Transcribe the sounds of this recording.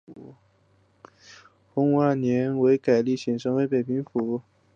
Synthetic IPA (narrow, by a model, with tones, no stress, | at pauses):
xʊ˧˥ŋa˥˩njɛ˧˥nwe˧˥ɪka˨˩ɪli˥˩ɕʰi˨˩ŋʂɤ˧˥ŋwe˧˥ɪpe˨˩pʰi˧˥ŋfu˧˥